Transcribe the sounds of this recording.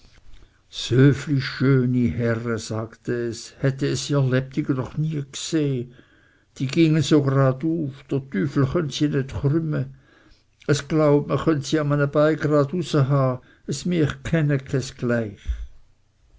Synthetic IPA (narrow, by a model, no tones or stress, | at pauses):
søːfliʃøːnihɛʁəzaːktəɛshɛtəɛsiɛɐlɛp̚tʰiɡənɔχniəkseː | d̥iːɡɪŋənsoːɡʁɑːduːfd̥ətyːfl̩χœntsinetχrʏmə | əsɡ̥laʊpməχœntsiːamənəb̥aɪɡʁɑːdusəɦaː | əsmiɐχkʰɛnəkʰɛsɡ̥laɪχ